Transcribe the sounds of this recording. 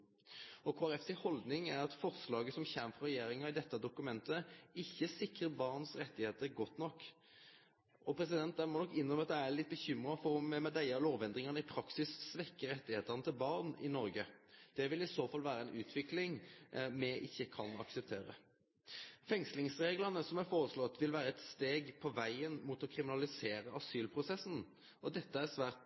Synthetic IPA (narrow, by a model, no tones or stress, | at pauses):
ɔkʰoːæɾɛfsɪhɔld̪nɪŋæɾɑt̪fɔʁslɑːɡəsɔmçæːnfɔɾɛjeːɾɪŋɑɪd̪ɛt̪ːəd̪ʊkʉmɛnt̪əɪçːəsɪkʁəbɑʁnsɾɛt̪ːɪheːt̪əɾɡɔt̪ːnɔkː | ɔpʰɾɛsɪd̪ɛnt̪̚d̪æɪmɔnɔkːɪnd̪ʁɔməɑt̪̚d̪æælɪt̪̚ːbəçʏmɾɑfɔɾɔmɛmɛd̪æɪɑloːʋɛnd̪ʁɪŋɑnəɪpʰɾɑksɪsːʋɛkːəɾɛt̪ːɪheːt̪əʁnət̪ʰɪlbɑʁnɪnɔɾɡəd̪̥ɛʋɪlɪsoːfɑlʋæːɾəɛnʔʉːt̪ʰʋɪklɪŋmɛʔɪçːəkʰɑnɑ̰ksəpt̪ʰeːɾə̰ | fɛŋslɪŋsɾeːɡlənəsɔmæɾfoːɾəslɔt̪ːʋɪlʋæːɾəɛt̪st̪eːɡpʰɔʋæɪənmuːt̪ɔkʰɾɪmɪnɑlɪseːɾəɑsyːlpʰɾʊsɛsn̩ | ɔd̪ɛt̪ːəæʁsʋæːʁt̪